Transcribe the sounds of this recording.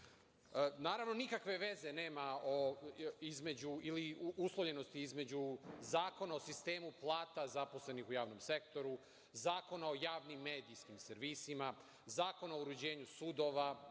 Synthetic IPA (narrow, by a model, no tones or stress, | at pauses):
naːɾaʋno̞nikakʋe̞ʋe̞ze̞ne̞ːmaoizme̞d͡ʑuiliuslˠoʎe̞no̞st̪iizme̞d͡ʑuzaːko̞nao̞sist̪e̞ːmuplˠaːt̪azapo̞sle̞nixujaːʋno̞mse̞kt̪o̞ɾu | zaːko̞nao̞jaːʋnimːe̞ːd̪iskimseɾʋisima | zaːko̞naouɾud͡ʑe̞ːɲusud̪o̞ːʋa